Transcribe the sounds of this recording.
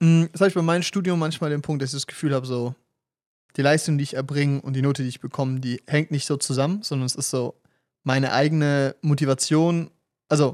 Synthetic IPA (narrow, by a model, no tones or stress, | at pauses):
m̩ɛshaːbɪçb̥aɪmaɪnəmʃtuːdjʊmːançmaːldeːnpʰʊŋkt̚d̥asɪçd̥asɡ̥ə̥fyːlhaːbəzoː | d̥iːlaɪstʊŋdiːɪçɛɐbʁɪŋəʔʊnt̚d̥iːnoːtəd̥iːɪçb̥əkʰɔmədiːhɛŋ̚tnɪçtz̥oːt͡suzamənz̥ɔndɐnɛsɪstz̥oː | maɪnə̰ʔa̰ɪɡənəmotivat͡sjoːn | ʔalzo